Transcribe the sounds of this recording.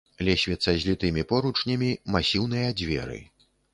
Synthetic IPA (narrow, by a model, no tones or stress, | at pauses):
lʲɛsʲvʲɛt̪sːɐzʲlʲit̪ɨmʲipɔɾut͡ʂnʲɐmʲimasʲiwn̪ɨjɐd͡zʲvʲɛ̰ɾɨ̰